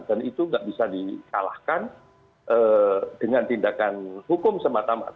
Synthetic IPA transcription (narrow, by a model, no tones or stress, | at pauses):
nt̪ənit̪uŋɡaʔbisadikala̰hkan | ʔəd̥əŋant̪indakanhukʊmsəmat̪ama̰t̪